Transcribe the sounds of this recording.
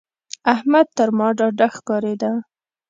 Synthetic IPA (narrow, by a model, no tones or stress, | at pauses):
ahmad̪̚t̪əɾmɑɖɑɖaxkɑɾed̪a